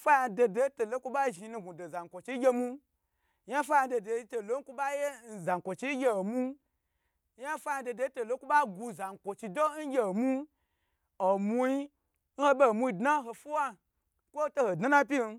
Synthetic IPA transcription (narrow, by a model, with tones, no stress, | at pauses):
fa˦ja˧do˧de˦to˨lo˦kʷu˦ɓa˦ʒi˨˧˦nũ˧ɡu˨do˨za˨ŋ˨kʷo˨t͡ʃi˧˦ɡʲe˦mu˦ | ja˦fa˦ja˧˦do˧de˧˦to˨lo˨˦ŋ̩˦ku˦ba˦je˦n̩˨za˨ŋ˨kʷo˨t͡ʃi˦ɡʲe˧o˨mu˦ | ja˦fa˦a˧˦de˧de˧˦to˨lo˦ku˦ɓa˦ɡu˧za˨ŋ˨kʷo˨t͡ʃi˧do˦n̩˦ɡʲe˧˨o˨mu˦ | o˨mu˧i˦ | n̩˦ho˦be˦˨mu˧i˧˨dna˦ɦo˧fu˦wa˦ | kʷo˦to˦ho˨dna˦nã˦pʲi˦n̩˧